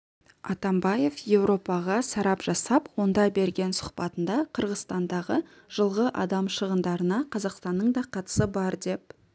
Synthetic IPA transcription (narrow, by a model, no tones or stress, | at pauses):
ɑt̪ɑmbɑje̞fje̞wɾo̞pɑʁɑsɑɾɑpʒ̥ɑsɑpwo̞nd̪ɑbe̞ɾɡʲe̞nsʊ̥qpɑt̪ənd̪ɑqʰəɾʁəzst̪ɑnd̪ɑʁə | ʒ̥əlˠʁəʔɑd̪ɑmʃəʁənd̪ɑɾənɑqʰɑzɑqst̪ɑnːəɴd̪ɑqʰɑt̪ə̥səbɑɾd̪e̞p̚